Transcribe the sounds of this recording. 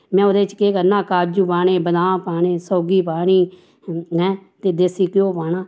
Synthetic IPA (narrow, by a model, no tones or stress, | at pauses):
mɛ̃ːʊd̪eːt͡ʃkeːkəɾnãːkaːd͡ʒuːpaːɳeːbəd̪ãːpaːɳeːsɔːɡiːpaːɳiː | ɦɛ̃ːt̪eːd̪esiːkɪjõːpaːnãː